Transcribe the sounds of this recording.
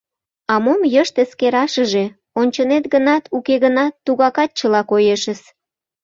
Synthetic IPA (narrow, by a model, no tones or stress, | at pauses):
ɑmomjəʃt̪eskeɾɑʃəʒe | onʲt͡ɕənet̪̚ɡənɑt̪ʰukeɣənɑt̪ːuɣɑkɑt̪̚t͡ɕəlɑkojeʃəs